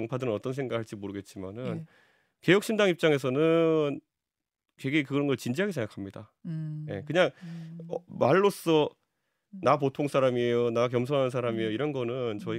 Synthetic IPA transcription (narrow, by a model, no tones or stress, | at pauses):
ŋpʰadɯɾɯnʌt͈ʌns̬ʰe̞ŋɡakhaɭt͡ɕ͈imoɾɯɡe̞t̚t͡ɕ͈ima̰nɯn | ke̞jʌk̚ɕ͈ʰimndaŋip̚t͡ɕ͈aŋe̞s̬ʰʌnɯn | kweɡekɯɡɾʌnɡʌɭt͡ɕind͡ʑiɦaɡis̬ʰeŋɡakʰamɲidaje̞̰kɯɲaŋʌmaɭːos͈ʌ | napotʰoŋsʰaɾamiejonak̬jʌmsʰoŋɦanɯnsʰaɾamioiɾʌnɡʌnɯnt͡ɕʌi